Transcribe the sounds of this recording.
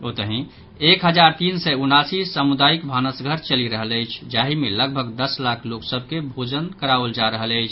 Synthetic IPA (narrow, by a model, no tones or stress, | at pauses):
ot̪əɦĩ | ekɦəd͡ʒaɾt̪insɛunasisəmud̪aikbʱanəsɡʱəɾt͡ʃəliɾəɦələɪt͡ʃʰd͡ʒaɦimeləɡ̚bʱəɡd̪əslakʰloksəb̚ʱkebʱod͡ʒənkəɾaəld͡ʒaɾəɦələɪt͡ʃʰ